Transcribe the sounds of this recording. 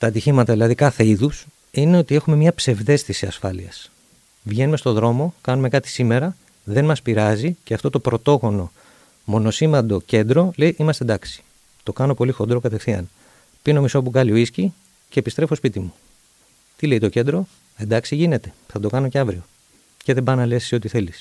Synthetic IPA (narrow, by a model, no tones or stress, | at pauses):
t̪ɐːt̪içimɐt̪ɐðilɐðikɐθe̞iðus | ine̞o̞t̪ie̞xume̞mɲɐpse̞vðe̞st̪isiɐsfɐlḭɐs | vʝe̞nume̞st̪o̞ðɾo̞mo̞kɐnume̞kɐt̪i̥sime̞ɾɐ | ðe̞nmɐspiɾɐziceɐft̪o̞t̪o̞pɾo̞t̪o̞ɣo̞no̞ | mo̞no̞simɐnd̪o̞ce̞nd̪ɾo̞lejʔimɐst̪ed̪ɐksi̥ | t̪o̞kɐno̞po̞lixo̞nd̪ɾo̞kɐt̪e̞fθiɐ̰n | pino̞miso̞puɣɐlioisci | ceːpist̪ɾe̞fo̞spit̪imu | t̪ile̞it̪o̞ce̞nd̪ɾo̞ | e̞nd̪ɐksiʝine̞t̪e̞̥θɐd̪o̞kɐno̞ce̞ɐvɾio̞ | ce̞ðe̞bɐnɐle̞si̥sio̞t̪iθe̞lis